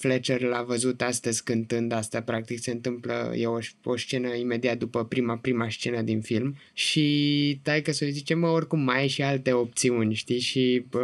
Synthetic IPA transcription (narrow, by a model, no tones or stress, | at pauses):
flet͡ʃerlavəzut̪ast̪əzʲkɨnt̪ɨnd̪ast̪apɾak̚t̪ikse̞ɨnt̪ɨmplə̰jeoʃo̞st͡ʃe̞nəime̞d̪iat̪̚d̪upəpɾimapɾimast͡ʃe̞nəd̪infilm | ʃit̪ajkəsojzit͡ʃe̞məorʲkumːaeʃialt̪e̞o̞p̚t̪siunʲʃt̪ijʃi